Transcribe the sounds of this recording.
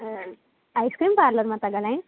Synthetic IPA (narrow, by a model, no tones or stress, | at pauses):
ajskɾiːmpaɾləɾmat̪aɡalãj̃